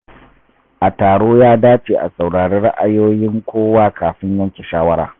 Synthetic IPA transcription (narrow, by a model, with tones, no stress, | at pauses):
ʔa˨taː˨ɽoː˦jaː˦daː˦t͡ʃeː˨ʔa̰˨sa˨wɽaː˨ɽeː˦ɽɐ˦ʔa˨joː˦jɪ˦ŋkʷoː˦waː˦kaː˨ɸɪ˦ɲjɐ˦ŋkʲe˨ʃaː˦wɐ˦ɾa̰ː˨